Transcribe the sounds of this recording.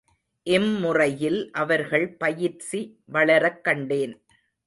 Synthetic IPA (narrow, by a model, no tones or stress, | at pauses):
ʔɛmːʊrɐjɪlʔɐʋɐɾɣɐɭpɐjɪɾsiʋɐɭɐɾɐkːɐɳɖeːn